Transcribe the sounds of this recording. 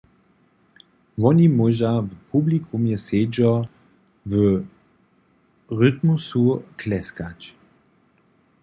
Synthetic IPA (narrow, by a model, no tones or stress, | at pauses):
vɔnʲimɔʒavəpʰublikʰumjɛsed͡ʒɔ | və | ʁʏt̪musuklɛskat͡ʃ